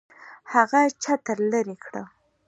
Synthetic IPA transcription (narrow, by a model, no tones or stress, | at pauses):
haɣat͡ʃat̪əɾləɾekɽə̰